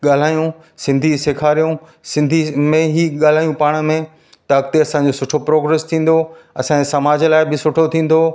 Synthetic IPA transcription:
ɠaːl̤aːjũ | sɪ̃nd̪ʱisekʰaːɾijũ | sɪ̃nd̪ʱimẽɦiːɠaːl̤aːjũpaːɽ̃mẽ | t̪ɐɐk̚t̪eɐsãːɲ̆d͡ʑosʊʈʰopɾoːɡɾeːst̪ʰĩːn̆d̪oɐsãːesɐmaːd͡ʑəlaːɪbɪsʊʈʰot̪ʰĩːn̆d̪o

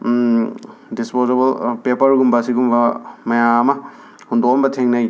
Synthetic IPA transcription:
dispozebɐlpepɐɾɡumbasiɡumbɐmɐjaːmɐ | hundokɔmbɐtʰeŋnaj

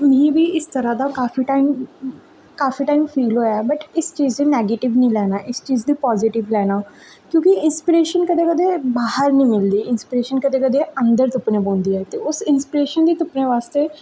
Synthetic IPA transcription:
mĩːbʱiːɪst̪əɾad̪akaːfiːʈaːɪm | kaːfiːʈaːɪmfiːlɦoːjabəʈɪst͡ʃiːzd̪iːnɛːɡeːʈɪʋnəĩːlɛːnaːʔɪst͡ʃiːzd̪iːpɔːzɪʈɪʋlɛːnaː | kjõːkiɪnspɪɾeːʃənkəd̪eːkəd̪eːbaːɦəɾnĩːmɪld̪iːɪnspɪɾeːʃənkəd̪eːkəd̪eə̃nd̪əɾt̪ʊpnẽbõːnd̪iːɛːt̪eʊsɪnspɪɾeːʃənd̪iːt̪ʊpnẽʋaːst̪eː

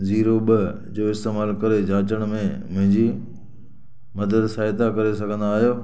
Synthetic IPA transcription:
ziːɾoɓə | d͡ʑoːɪst̪eːmaːlkɐɾed͡ʑaːt͡ɕəɽ̃mẽmʊ̃ɦɪ̃ɲd͡ʑi | mɐd̪əd̪saːɪt̪akɐɾesɐɡʱə̃nd̪aːɦijoː

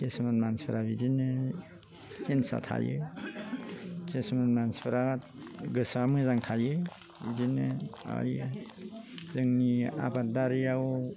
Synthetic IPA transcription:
kesmanmanspʰəɾabizinɯ | hensa̰tʰa̰jɯ̰ | kʰesmanmanspʰɯɾatɡɯsamɯzaŋtʰajɯ | bizinɯa̰j | zɯŋnia̰badaɾjaw

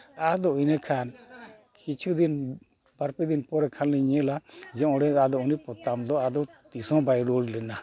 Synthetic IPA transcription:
ad̪ɔujnəkʰan | kit͡ʃʰud̪in | baɾpid̪inpɔɾɛkʰanlɛɲəlad͡ʒɛ̃ɔɽɛad̪ɔunipɔt̪amd̪ɔad̪ɔt̪isɔ̃bajɾɔllɛna

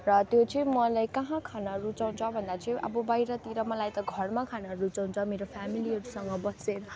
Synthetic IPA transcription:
rʌt̪jot͡sʌĩmʌlajkʌɦãkʰanʌɾut͡saw̃nt͡sʰʌbʱʌnd̪at͡sʌĩʔʌ̰bʌbajɾʌt̪iɾʌmʌlajt̪ʌɡʱʌrmakʰanʌɾut͡saũnt͡sʰʌmeɾopʰamiliɦʌɾusʌŋɡʌbʌseɾʌ

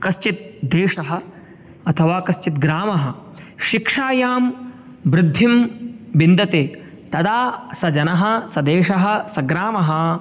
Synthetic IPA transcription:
kɐʃt͡ʃit̪̚d̪eːʂɐɦɐ̆ | ɐt̪ʰɐʋaːkɐʃt͡ʃit̪ɡɾaːmɐɦɐ | ʃikʂaːjaːm | bɾɪd̪ʱːimbind̪ɐt̪eː | t̪ɐd̪aːsɐd͡ʒɐnɐɦɐ̆sɐd̪eːʂɐɦɐ̆sɐɡɾaːmɐɦɐ̆

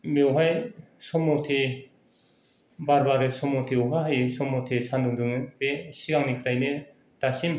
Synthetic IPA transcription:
mewɦajsɔmɔtʰe | baɾbaɾɯsɔmɔtʰeuɦaɦajsɔmɔtʰesandɯŋdɯŋɯnpesiɡaŋnikʰɾajne | tasim

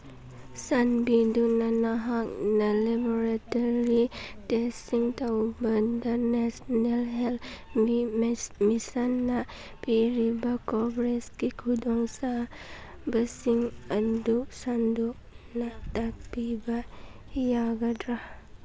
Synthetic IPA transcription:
sanbidunanaɦak̚nalabɔɾat̪ɔɾitɛsiŋt̪abəndənɛsnɛlɦɛlimisanːa | piɾibakɔbɾɛskikʰudɔŋsa | bəsiŋanduʔsanduʔ | nat̪ak̚biba | jaɡadɾah

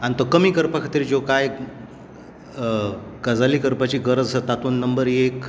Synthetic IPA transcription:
ant̪əkəmiːkəɾpakʰat̪iːɾd͡ʑokaj | kəd͡zaliːkəɾpat͡ɕiːɡəɾəd͡zsət̪at̪uːnːəmbəɾek

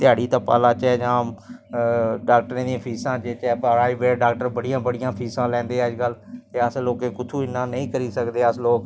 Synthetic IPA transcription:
t̪ɪjaːɽiːt̪ãːpa̰ːlãːt͡ʃɛːd͡ʒãː | ɖaːk̚ʈəɾẽːd̪iãːpʰiːsãːd͡ʒeːt͡ʃɛːpəɾaːiːbeːɖaːk̚ʈəɾbəɽijãːbəɽɪjãːpʰiːsãːlɛ̃ːnd̪eːɛəd͡ʒkəlt̪eːəsloːkeːkʊt̪ʰuːɪnːãːnəĩːkəɾiːsəkd̪eːəsloːk

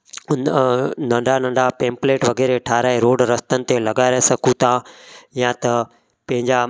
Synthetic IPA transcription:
nnɐ̃ɳɖʱanɐ̃ɳɖʱapẽːmpleːʈʋɐɡɛːɾeʈʰaːɾaːeɾoːɖɾɐst̪ənɪ̆t̪elɐɡaːɾesɐkʰut̪ʰãːjãt̪ɐ | pɐ̃ɦɪ̃ɲd͡ʑa

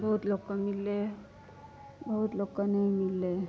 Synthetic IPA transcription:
bəɦut̪lɔkːaŋilːe | bəɦut̪lɔkːanajŋilːe

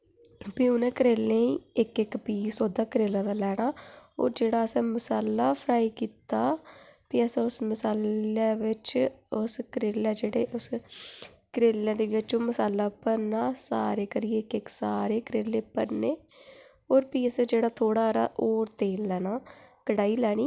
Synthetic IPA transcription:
piːʊnẽːkəɾeːlẽːiːɪkɪkpiːsoːd̪aːkəɾeːlãːd̪aːlɛːɽaːo̰ːɾd͡ʒeːɽaːəsɛ̃ːməsaːlːaːpʰəɾaːiːkiːt̪aːpiːəsɛ̃ːʊsməsaːlleːʋɪt͡ʃʊskəɾeːlɛːd͡ʒeːɽeːʔʊs | kəɾeːlãːd̪eːʋɪt͡ʃoːməsaːlːaːpəɾnaːsaːɾeːkəɾieɪkɪksaːɾeːkəɾeːlːeːpəɾneː | oːɾpiːəsd͡ʒeːɽaːt̪ʰoːɽaːɾa̰ːʔoːɾt̪eːlːɛːnaːkəɽaːiːlɛːɽ̃iː

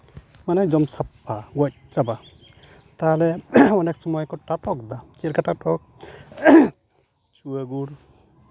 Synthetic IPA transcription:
manad͡ʒɔmsapʰːaɡɔc̚t͡ʃaba | t̪alɛɔnɛksɔmɔjkɔʈaʈɔk̚d̪akiɾkaʈaʈɔk̚ | t͡ʃuaɡuɾ

